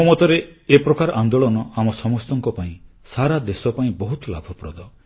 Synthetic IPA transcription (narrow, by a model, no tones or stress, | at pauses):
mɔt̪ɔɾeepɾɔkaɾɔʔand̪oɭɔnɔamɔsɔmɔst̪ɔŋkɔpaĩ | saɾad̪esɔpaĩbɔɦut̪la̰bʱɔpɾɔd̪ɔ